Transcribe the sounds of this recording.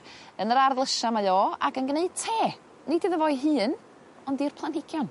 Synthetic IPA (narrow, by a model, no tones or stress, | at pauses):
ənəɾarðlˠəʃamajoːa̰ɡənɡneɨd̥̚tʰeː | nidɨðəvɔɨɦɨːn | ɔndirpʰlˠanɪɡ̥jɔn